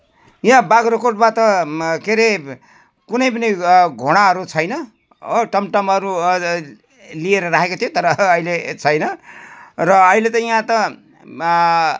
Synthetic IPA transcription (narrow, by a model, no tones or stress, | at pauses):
jãbaɡɾʌkoʈ̚mat̪ʌkeɾe | kunʌjpʌniɡʱoɽ̃aɦʌɾut͡sʰʌjnʌ | ʈʌmʈʌmʌɾu | lieɾʌɾaɦekot̪ʰijot̪ʌɾʌːilet͡sʰʌjnʌ | rʌːilet̪ʌjãt̪ʌ